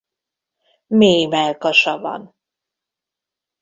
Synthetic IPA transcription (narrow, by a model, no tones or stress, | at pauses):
meːmɛlkɒʃɒvɒ̰n